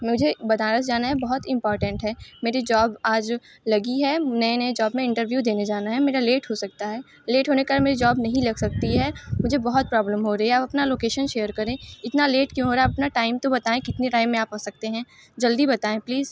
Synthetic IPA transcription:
mʊd͡ʒʱebɐt̪aːɾəd͡ʒaːnaɦɛbɐɦɔt̪ɪ̃mpɔːɾʈə̃ɳʈɦɛːmeːɾid͡ʒaːbaːd͡ʒ | lɐɡiɦɛnɐẽned͡ʒɔːbmẽɪ̃ɳʈəɾʋjuːd̪eːned͡ʒaːnaɦɛmeːɾaleːʈɦosɐk̚t̪aɦɛː | leːʈɦoːnekeameːɾid͡ʒaːbnɐɦĩlɐɡsɐk̚t̪iɦɛmʊd͡ʒʱebɐɦɔt̪̚pɾɔːbləmɦoɾɐɦiaːpɐpnaloːkeːʃənʃeːəɾkɐɾẽːɪt̪naleːʈkjũɦoːɾaɦɛːɐɐpnaʈaːɪmt̪obɐt̪aːẽkɪt̪niɾaːɪmːẽaːpɦoːsɐk̚t̪eɦɛ̃ː | d͡ʒɐld̪ibɐt̪aːẽpliːz

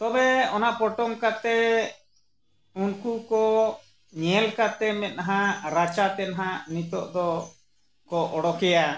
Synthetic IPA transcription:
t̪ɔbɛɔnaʔpɔʈɔmkat̪ɛ | unkukɔ | ɲɛlkat̪ɛmɛt̪̚naɦãɾat͡ʃat̪ɛnaɦanit̪ɔʔd̪ɔ | kɔɔɽɔkɛja

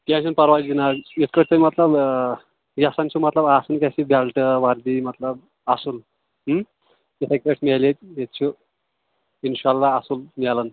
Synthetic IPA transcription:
kɛ̃sʰunpəɾʋad͡ʑinajit̪̚kəʈ̚ʰt̪əimət̪ləb | jasant͡ɕʰumət̪ləbasənkʲasibʱalʈəʋaɾd̪iːmət̪ləb̚ | asuːl | ɦ | jesʰak̚ʲkeʈʰmelet̪̚jet̪̚t͡ɕʰu | inɕalːaːsulmɛlən

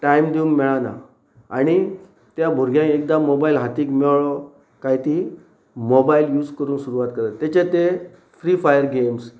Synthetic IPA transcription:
ʈaimd̪iũŋɡmɛɭana̰ | aɽ̃i | t̪jabʱuɾɡʱjãekd̪amobailɦat̪iːkmɛwɭɔ | kajt̪i | mobailjuːd͡zkəɾuːnsuɾuʋat̪kəɾəːjat͡ɕẽt̪e | fɾifajəɾɡems

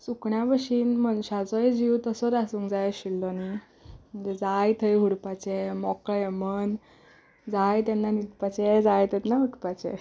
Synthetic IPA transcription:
sukɳjabəʂiːnmənɕat͡sɔjd͡ʑiwt̪əsɔɾasũːŋkd͡zajɕilːɔni | m̤ənd͡zed͡zajt̪ʰəjɦuɽpat͡ɕemɔkemən | d͡zajt̪ɛnːanit̪pat͡ɕed͡zajt̪ət̪naɦuʈpat͡ɕɛ̰

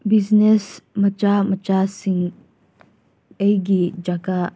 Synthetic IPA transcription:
biznesmət͡ʃamət͡ʃasiŋ | əjɡid͡ʒaɡa

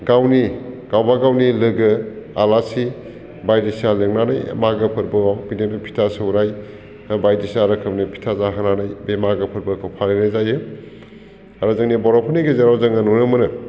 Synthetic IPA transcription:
ɡawniɡ̥awbaɡawnilɯɡɯalasi | bajdisialeŋnana̰j̰maɡɯpʰɯɾbɯɡawbinenipʰi̥tʰasɯwɾaj | bajdisiaɾɐkʰɯbnipʰi̥tʰazaɦananajbemaɡɯpʰɯɾbɯkʰɯwpʰalenajzajɯ | aɾazɯŋnibɔɾɔpʰɯniɡezaɾawzɐŋanunɯmɯnɯ

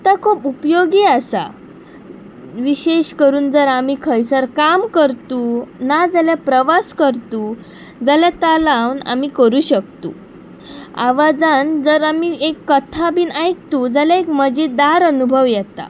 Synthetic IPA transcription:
t̪akʰuːpupjoɡiːəsa̰ | ʋiɕeɕkəɾuːnd͡zəɾamikʰəjsəɾkamkəɾt̪unad͡zaljapɾəʋaskəɾt̪u | d͡zaljat̪alawna̰mikəɾuːɕək̚t̪ṵ | a̰ʋad͡zand͡zəɾamiekːət̪ʰabiːnajk̚t̪ud͡zaljaekməd͡ʑed̪aɾənubʱəʋjɛt̪a̰

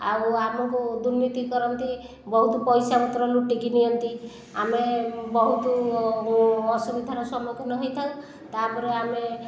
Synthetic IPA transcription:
a̰wamɔŋkud̪uɾnit̪ikɔɾɔnt̪i | bɔɦut̪upɔjsaut̪ɾɔluʈiɡinijɔnt̪i | amebɔɦut̪u | ɔsubid̪ʱanɔsɔmɔkʰɔnɔɦɔjt̪ʰã | t̪apɔɾeame

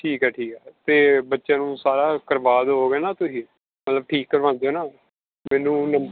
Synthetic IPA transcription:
ʈʰiːkɛːʈʰiːkɛːt̪eːbətːʃãːnũːsaːɾaːkəɾʋaːd̪ɦoːɡɛːnaːt̪ʊsĩː | mət̪ləb̚ʈʰiːkːəɾʋãːnd̪eoːnaː | mɛːnũːnə

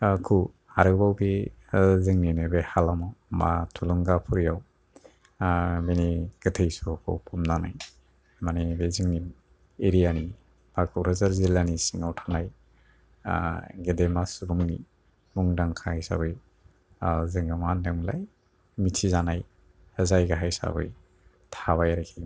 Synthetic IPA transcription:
kʰu | aɾɯbawbe | zɯŋninebehalamawma̰tʰuluŋɡapʰuɾijaw | meniɡ̥ɯtʰejsɔkʰɔ̰pʰumnana̰j | manibezɯŋnin | eɾijani | b̥ak̚uɾazaɾzilanisiŋawtʰanaj | ɡedemasuɾumni | muŋdaŋkʰahajsa̰bɯj | zɯŋɡɯmandemla̰j | mitʰizanaj | həzajɡaɦajsa̰bɯ̰j | tʰaβajɾakʰi

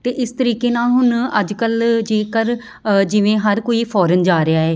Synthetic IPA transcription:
t̪eːʔɪst̪əɾiːkeːnaːlɦʊnəd͡ʒkəld͡ʒeːkəɾ | d͡ʒɪʋẽːɦəɾkoːiːpʰɔːɾənd͡ʒaːɾɪaːɦɛː

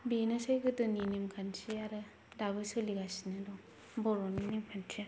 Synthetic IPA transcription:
benɯsajɡɯtɯninimkʰansʰiaɾɯ | dabɯsɯliɡasinɯdɔ | bɔɾɔninimkʰantʰija

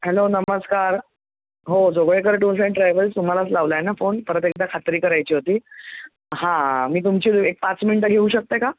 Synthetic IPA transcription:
ɦɛlonəməskaɾ | ɦod͡zoɡɭekəɾeʈunseɳʈɾajʋəlst̪um̤alaslaʋlajnafonpəɾət̪ek̚d̪akʰat̪ɾiːkəɾajt͡ɕiːɦot̪iː | ɦãmiːt̪umt͡ɕiːek̚pat͡sminiʈəɡʱeuːɕək̚t̪eka

